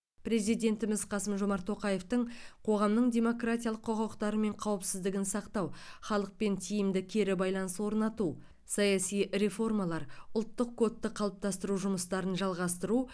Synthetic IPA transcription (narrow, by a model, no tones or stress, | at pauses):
pɾe̞zijd̪ʲe̞nt̪ɪmɪzqʰɑsəmʒo̞mɑɾt̪ʰːo̞qɑje̞ft̪əɴqʰo̞ʁɑmnəɴd̪ʲe̞mo̞krat̪ʲijɑlˠəqʰːoqɑwəqt̪ɑɾəme̞ɴqʰɑwəpsɪzd̪ɪɡʲɪnsɑqt̪ɑwχɑlˠəq̚pe̞nt̪ʰijɪmd̪ɪkʲʰe̞ɾɪbɑjlˠɑnəswo̞ɾnɑt̪u | sɑjɑsijɾe̞fo̞rmɑlˠɑɾʊlˠt̪ːəqkʰːo̞t̪ːəqʰɑlˠəp̚t̪ɑst̪əɾuʒʊməst̪ɑɾənʒɑlˠʁɑst̪əɾu